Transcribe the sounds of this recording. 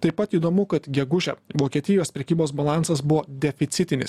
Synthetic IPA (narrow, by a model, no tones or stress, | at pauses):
t̪ɐɪpɐt̪iːd̪oːmʊkɐt̪ɡʲɛɡʊʒʲɛ̰ʋoːkʲiɛt̪ʲɪjoːspʲɾʲɛkʲiːboːsbɐlˠɑˑnsɐsbʊʋoːd̪ʲɛfʲɪt̪sʲɪt̪ʲɪnʲɪ̰s